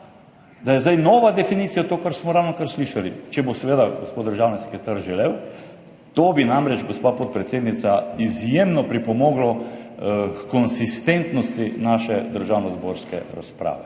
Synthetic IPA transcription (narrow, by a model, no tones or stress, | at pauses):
d̪ajɛzd̪ajnɔːʋad̪ɛfiniːt̪sijat̪okaɾsmɔɾawnɔkaɾsliːʃalit͡ʃɛbosɛʋeːd̪aɡospot̪d̪əɾʒaːwnisɛ̥kɛst̪aɾʒɛleːw | t̪oːbinamɾɛd͡ʒɡospapɔt̪̚pɾɛt̪seːd̪nit̪saizjeːmnɔpɾipɔmɔːɡlɔ | kkɔnsist̪ent̪nɔst̪inaːʃɛd̪əɾʒawnɔzboːɾskɛ̰ɾa̰spɾa̰ːʋɛ